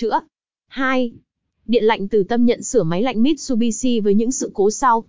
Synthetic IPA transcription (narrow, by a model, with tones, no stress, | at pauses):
ɨ̰˧˥ə | haː˧j | ɗḭ˧˨nla̰˧˨jŋ̟t̪ɨ˨˩t̪ə˧mɲə̰˧˨nsɨ˧˩əma˨˦jla̰˧˨jŋ̟mi˦˥t̚su˧ɓi˧si˧vəː˨˦jɲɨ̰˧˥ŋsɨ̰˧˨ko˨˦sa˧w